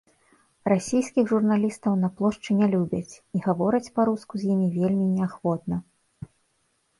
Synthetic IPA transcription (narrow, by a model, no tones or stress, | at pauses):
rasʲejskʲixʐurnalʲist̪ɐwn̪ɐplˠɔʂt͡ʂɨnʲɛlʲubʲɐt͡sʲiɣavɔɾɐt͡sʲpaɾuskuzʲjimʲivʲelʲmʲinʲɛaxvɔt̪nɐ